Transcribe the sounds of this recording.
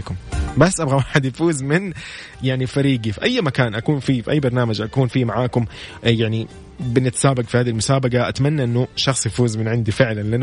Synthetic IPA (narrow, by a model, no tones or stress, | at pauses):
kʊmbasːʔabɣawaːħɪd̪jafuːzmɪn | jaʕnifaɾiːɡifiʔajːmakaːnʔakuːnfiːfiʔajːbɑɾˤnaːmad͡ʒʔakuːnfiːmaʕaːkʊmjaʕni | bɪnɪt̪saːbaɡfihaːðilmʊsaːbaɡaʔat̪manːaʔɪnːʊʃɑxsˤjafuːzmɪnʕɪnd̪ifɪʕlanlan